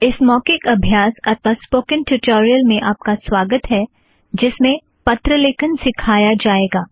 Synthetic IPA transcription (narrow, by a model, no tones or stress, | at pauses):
ɪsmɔːkekɐbʱjaːsɐt̪ʰʋaspoːkɪ̃nʈʊʈoːɾijəlmẽʔaːp̚kaswaːɡət̪ɦɛ | d͡ʒɪsmẽ | pɐt̪ɾəleːkənsɪkʰaːjad͡ʒaːeːɡaː